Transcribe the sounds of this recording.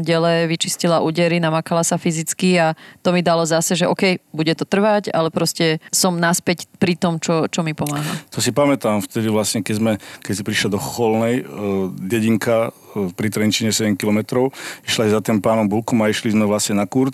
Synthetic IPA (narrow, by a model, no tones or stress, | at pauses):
ɟɛlɛʋit͡ʃiscilaʔuɟɛɾinamakalasafizit͡skiat̪ɔmid̪alɔzasɛʒɛʔɔkɛjbuɟɛt̪ɔt̪r̩ʋaca̰lɛpɾɔscɛsɔmnaspɛcpɾit̪ɔmt͡ʃɔt͡ʃɔmipɔmaːɦa̰t̪ʰɔsipamɛt̪aːmft̪ɛd̪iʋlasɲɛkɛzmɛkɛsipɾiʃlad̪ɔxɔlnɛjɟɛɟiŋka | fpɾit̪ɾɛnt͡ʃiɲɛsɛɟɛmkilɔmɛt̪ɾɔʊiʃlasizat̪ɛmpaːnɔmbulkɔmaiʃlizmɛʋlasɲɛnakuɾt